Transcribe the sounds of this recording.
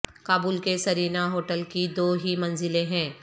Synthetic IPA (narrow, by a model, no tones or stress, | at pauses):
kaːbuːlkesɐɾiːnaɦoːʈəlkid̪oːɦimɐ̃nzɪlẽɦɛ̃ː